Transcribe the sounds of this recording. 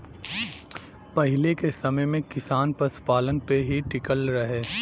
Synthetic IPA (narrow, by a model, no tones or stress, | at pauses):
pɐɦɪlekesɐməjmẽkɪsaːnpɐspaːlənpeɦiʈɪkəlɾɐɦeː